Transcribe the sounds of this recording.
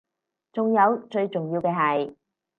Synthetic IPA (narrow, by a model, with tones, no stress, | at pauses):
t͡sʊ˨ŋjɐ˨˧wt͡ʃɵ˧ɥt͡sʊ˨ŋjiː˧wkɛː˧ɦɐ˨j